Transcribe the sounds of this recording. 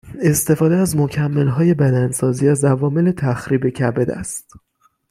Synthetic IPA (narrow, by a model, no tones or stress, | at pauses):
e̞st̪e̞fɒːd̪eæzmo̞cʰæmːe̞lɦɒːje̞bæd̪ænsɒːziːæzævɒːme̞le̞t̪ʰæxɾiːbe̞cʰæbed̪æ̰st̪